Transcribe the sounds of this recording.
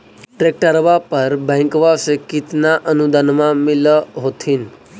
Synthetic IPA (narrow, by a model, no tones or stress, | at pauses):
ʈɾek̚ʈəɾʋapəɾbə̃ŋkʋasekit̪naʔənud̪ʱənmãmiləɦot̪ʰiːn